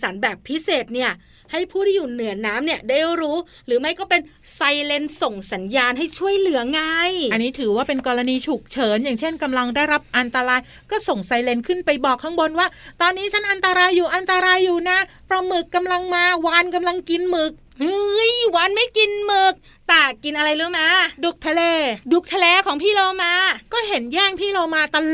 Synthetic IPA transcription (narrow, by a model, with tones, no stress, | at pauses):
sa˩˦nbɛː˨˩pʰːi˦˥seː˨˩t̪̚ni˥˩ɐ | ha˥˩jpʰuː˥˩tʰiː˥˩juː˨˩nɯ˨˩˦ɐnaː˦˥mni˥˩ɐde˥˩˥ɾuː˦˥ | ɾɯː˩˦ma˥˩jkɔː˥˩pe˧n | sa˧jle˧nso˨˩ŋsa˩˦njaː˧nhɦa˥˩jt͡ɕʰu˥˩əjlɯ˩˦ɐŋa˧˥jʔa˧nːiː˦˥t̪ʰɯː˩˦waː˥˩pe˧nkɔː˧ɾa˧niː˧t͡ɕʰu˨˩k̚t͡ɕʰɤː˩˦njaː˨˩ŋt͡ɕʰe˥˩nka˧mla˧ŋdaː˥˩jɾa˦˥p̚ʔa˧nt̪a˧ɾaː˧j | kɔː˥˩so˨˩ŋsa˧jle˧nkʰɯ˥˩npa˧jbɔː˨˩k̚ʰa˦˥ŋbo˧nwaː˥˩t̪ɔː˧nːiː˦˥t͡ɕʰa˦˥nʔa˧nt̪a˧ɾaː˧jːuː˨˩ʔa˧nt̪a˧ɾaː˧jːuː˨˩na˦˥ | pɾɔ˧mɯ˨˩kːa˧mla˧ŋmaː˧waː˧nka˧mla˧ŋki˧nmɯ˨˩k̚ | ʔɯ˧jwaː˧nma˥˩jki˧nmɯ˨˩k̚ | t̪ɛː˨˩ki˧nʔa˧ɾa˧jlɯ˦˥˦maː˧du˨˩k̚t̪ʰa˧leː˧du˨˩k̚t̪ʰa˧leː˧kʰɔː˩˦ŋpʰiː˥˩loː˧maː˧kɔː˥˩ɦe˩˦njɛː˥˩ŋpʰiː˥˩loː˧maː˧t̪a˧